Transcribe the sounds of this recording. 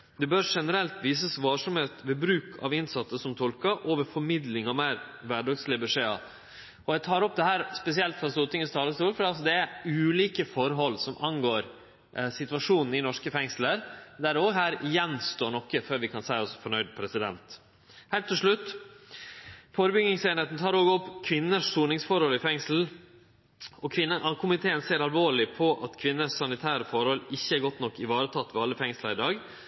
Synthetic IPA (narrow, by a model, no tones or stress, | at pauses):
d̪ɛbøːɾʂɛnəɾɛlt̪ʋiːsəsʋɑːʂɑmheːt̪ʋeːbɾʉːkʰɑ̰ʋɪnsɑt̪səsɔmt̪ʰɔlkɑʔoːʋəɾfɔɾmɪd̪lɪŋɑmeːɾʋæɖɑɡslɪəbɛʂeːɑ̰ | ʔɔjæt̪ʰɑːɾɔp̚ːd̪ɛɦæːɾspɛsɪɛlt̪fɾɑst̪uːt̪ɪŋənst̪ʰɑːləst̪uːlfɔɾɖ̪ɛɑls̬ɔd̪ɛæʉːliːkəfɔɾɦɔlːsɔmʔɑnɡoːɾ | sɪt̪ʋɑʂuːnn̩ɪnɔʂkəfɛŋsləɾd̪æɾoːɡɦæːɾjɛnst̪oːɳɔkːəføːɾʋɪkʰɑnsæɪɔsfɔɳœʏd̪pʰɾɛsɪd̪ɛ̰nt̪ | hæɪlt̪ʰːɪlʂɭʉt̪ː | foːɾəbʏɡnɪŋseːnheːt̪n̩t̪ʰɑːɾoːɡɔpːkʰʋɪnːəʂːuːnɪŋsfɔɾhɔlɪfɛŋsl̩ | ɔkʰʋɪnːəʔɑkʰʊmɪt̪ʰeːənseːɾɑlʋoːɭɪpʰɔʔɑt̪kʰʋɪnːəʂsɑnɪt̪ʰæːɾəfɔɾhɔlɪçːəæɾɡɔt̪ːnɔkːɪʋɑːɾət̪ʰɑt̪ːʋɛɑlːəfɛŋsləɾɪd̪ɑːɡ